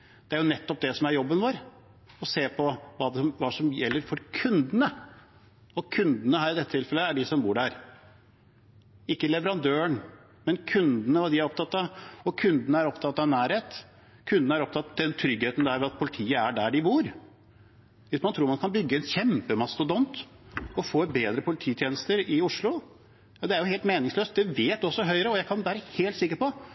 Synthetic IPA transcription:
d̪̥ɛæɾjʊnɛt̪ːɔp̚d̪ɛsɔmæɾjɔbːənʋoːɾ | ɔseːpʰɔʋɑːd̪ɛsɔmʋɑːsɔmjɛlːəɾfɔɾkʰʉnd̪ənə | ɔkʰʉnd̪ənəɦæːɾɪd̪ɛt̪ːət̪ɪlfɛlːəæɖɪsɔmbuːɖæɾ | ɪkːəlɛʋəɾɑnd̪øːəɳ | mɛnkʰʉnd̪ənəʋɑːd̪ɪæɾɔp̚t̪ʰɑt̪ːɑɔkʰʉnd̪ənəæɾɔpt̪ʰɑt̪ːɑʋnæːɾheːt̪ | kʰʉnd̪nəæɾɔpt̪ʰɑt̪d̪ɛnt̪ʰɾʏɡheːt̪ənd̪æɾʋɛɑt̪̚pʰʊlɪt̪ʰiːəæɖæɖɪbuːɾ | ʋɪsmɑnt̪ʰɾuːɾmɑnkʰɑnbʏɡːəɛnçɛmpəmɑsːɔd̪ɔnt̪ɔfoːbeːd̪ɾəpʰʊlɪt̪ʰiːt̪ʰjeːnəst̪əɾɪʊʂlʊ | jɑd̪ɛæɾjʊɦeːlt̪meːnɪŋsløːst̪̚d̪ɛʋeːt̪ɔsːɔɦœʏɾəɔjæɪkʰɑnʋæːɾəheːlt̪sɪkːəɾpɔ

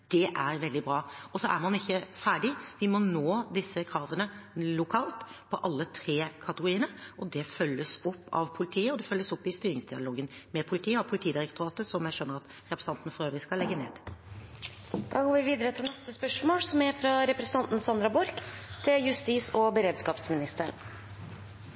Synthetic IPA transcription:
d̪̥ɛʔæɾʋɛld̪ɪbɾɑːɔsɔʔæɾmɑnɪçːəfæːɖɪʋɪmɔnoːd̪ɪsːəkʰɾɑːʋənəlʊkʰɑːlt̪pʰɔʔɑlːət̪ʰɾeːkʰɑt̪əɡʊɾiːənəʔɔd̪ɛfœlːəsɔpːɑ̰ʋpʰʊlɪt̪ʰiːəɔd̪ɛfœlːəsɔpːɪst̪yːɾɪŋsd̪ɪɑ̰loːɡənmɛpʰʊlɪt̪ʰiːəɔpʰʊlɪt̪ʰiːd̪ɪɾɛkt̪ʊɾɑːt̪əsɔmjæɪʃøːnːəɾɑt̪ | ʁɛpɾs̩ɑnt̪nəfɔɾøːʋəɾɪskɑlɛɡːənḛːd̪ | d̪̥ɑːɡoːɾʋɪʋiːd̪əɾət̪ʰɪlnɛst̪əspœʂmoːlsɔmæɾfɾɑɾɛpɾɛsə̥n̩ɑnt̪n̩sɑnd̪ɾɑbʊɾkt̪ʰɪljʉst̪iːsɔbəɾeːd̪skɑːpsmɪnɪst̪ən

